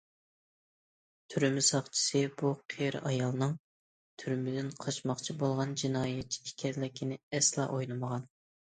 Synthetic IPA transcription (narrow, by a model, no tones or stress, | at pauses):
t̪ʰyɾmɪsɑχt͡ʃʰi̥sɨb̥uqʰeɾ̰ɑjɑlˠnɨŋ | t̪ʰyɾmɪd̪ɪnqʰɑʃmɑχt͡ʃʰibolˠʁɑnd͡ʒinɑːjɛt̪̚t͡ʃʰi̥ikʲʰɛɾlɪkʲʰinɪɛslˠɑ̰ʔojlˠɨməʁɑn